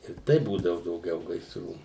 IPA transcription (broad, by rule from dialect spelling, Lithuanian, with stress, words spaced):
ɪr ˈtɐɪ ˈbuːdɐʋʊ dɐʊˈɡʲɛʊ ɡɐɪsˈruː